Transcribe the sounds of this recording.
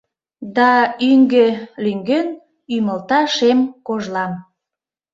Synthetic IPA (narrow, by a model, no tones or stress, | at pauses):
d̪ɑyŋɡelyŋɡen | yməlt̪ɑʃemkoʒlɑm